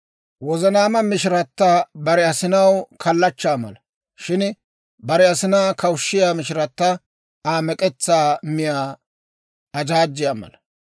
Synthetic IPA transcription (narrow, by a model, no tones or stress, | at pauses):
wɔzɐnaːmɐmɪʃɪɾɐt̪ːabɐɾɛɐsɪnɐwkʰɐlːɐt͡ʃːaːmɐ̰lɐ | ʃɪn | bɐɾɛɐsɪnaːkɐwʃːɪjaːmɪʃɪɾɐt̪ːɐ | aːmɛkʼɛt͡sːaːmɪjaː | ɐd͡ʒaːd͡ʒːɪjaːmɐ̰lɐ